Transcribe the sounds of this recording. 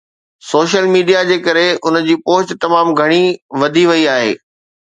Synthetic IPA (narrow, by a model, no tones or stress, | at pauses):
soːʃ̬əlmiːɖijad͡ʑeːkɐɾeʔʊn̆d͡ʑiːpoːt͡ɕɪt̪ɐmaːmɡʱɐɽ̃iʋɐd̪ʱiʋɐiaːɦḛː